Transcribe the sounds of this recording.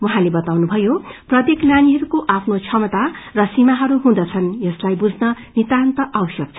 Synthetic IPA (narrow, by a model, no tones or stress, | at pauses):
wʌɦãlebʌt̪awnubʱʌjoprʌt̪ekljaniɦʌɾukoʔapʰnot͡sʰʌmʌt̪arʌsimaɦʌɾuɦũd̪ʌt͡sʰʌnjʌslajbud͡zʱnʌ | nit̪ant̪ʌʔawʌsʌk̚t͡sʰ